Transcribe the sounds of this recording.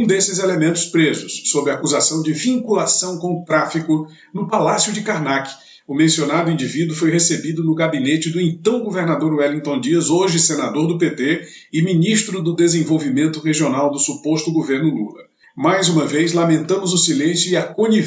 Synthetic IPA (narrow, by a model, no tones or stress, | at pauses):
ũd̪esɪzelemẽnt̪ʊ̥spɾezʊsːobɾɪɐaːkuzasɐ̃w̃d͡ʒɪvĩŋkulasɐ̃w̃kõʊt̪ɾafikʊ | nʊpalasjʊd͡ʒɪkaɾnakɪ̥ | ʊmẽsionad̪ʊĩnd͡ʒivid̪wʊfojɦesebid̪ʊnʊɡabinet͡ʃɪd̪ʊĩnt̪ɐ̃w̃ɡoveɾnad̪oɾwɛlĩt̪õd͡ʒiɐzoʒɪsenad̪oɾd̪ʊpet̪e | ɪminiʃt̪ɾʊd̪ʊd̪ezẽvowvimẽnt̪ʊʁeʒionawd̪ʊsupost̪ʊɡoveɾnʊlulɐ | majzũmɐvejzlamẽnt̪ɐ̃mʊzʊsilẽsjʊiɐkõɲi